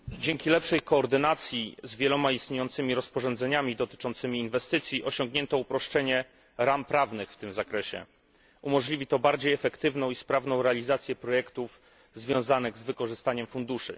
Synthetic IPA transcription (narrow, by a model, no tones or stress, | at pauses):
d͡ʑɛŋkʲilɛpʂɛjkɔːɾd̪ɘnat̪sʲjizvʲjɛlɔmaist̪ɲejɔnt̪sɘmʲiɾɔspɔʐɔ̃nd̪zɛɲamʲid̪ɔt̪ɘ̥t͡ʂɔnt̪sɘmʲiːnvɛst̪ɘt̪sʲjiʔɔɕɔŋɡɲɛnt̪ɔupɾɔʂt͡ʂɛɲɛ | ɾampɾavnɘxft̪ɘmzakɾɛɕɛ̰ | ʔumɔʐlʲivʲit̪ɔbaɾd͡ʑejɛfɛkt̪ɘvnɔ̃w̃ispɾavnɔ̃w̃ɾɛalʲizat̪sʲjɛpɾɔjɛkt̪uf | zvʲjɔ̃w̃zanɘɣzvɘkɔʐɘst̪aɲɛmfund̪uʂɘ̰